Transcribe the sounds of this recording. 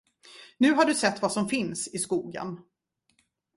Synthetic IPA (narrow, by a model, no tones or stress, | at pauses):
nʉ̟ːɦaɖɵsɛt̪ːvasɔmfɪnsɪskuːɡə̰n